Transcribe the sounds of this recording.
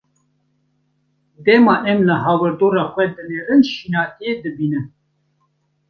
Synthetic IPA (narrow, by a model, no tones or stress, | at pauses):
d̪ɛmɑːʔɛmlɨɦɑːwɛɾd̪oːɾɑːxʷɛd̪ɨneːɾɨnʃiːnɑːt̪ijed̪ɨbiːnɨ